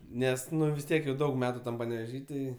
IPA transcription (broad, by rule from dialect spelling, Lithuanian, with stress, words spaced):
ˈnʲɛs ʋʲɪs ˈtʲiɛk jɛʊ ˈdɐʊk ˈmʲæːtʊ ˈtɐm pɐnʲɛʋʲɛˈʒʲiː ˈtɐɪ